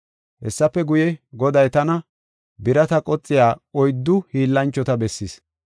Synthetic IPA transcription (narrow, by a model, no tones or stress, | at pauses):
hɛsːɐpːɛɡʊjɛɡɔd̪ɐjt̪ɐnɐ | bɪɾɐt̪ɐkʼɔt͡sʼːɪjaːɔjd̪ːʊhiːlːɐnt͡ʃːɔt̪ɐbɛsːis